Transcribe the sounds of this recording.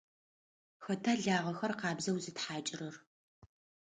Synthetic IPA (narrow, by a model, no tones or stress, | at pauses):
xɐtʰaːɮaːʁɐxɐrqɑːbzɐwzɨtħaːt͡ʃʼɪrɐr